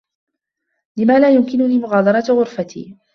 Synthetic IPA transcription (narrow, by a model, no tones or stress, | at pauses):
lɪmaːlaːjʊmkɪnʊniːmʊɣɑːd̪ˤɑɾˤɑt̪ɣʊɾfat̪ʰḭː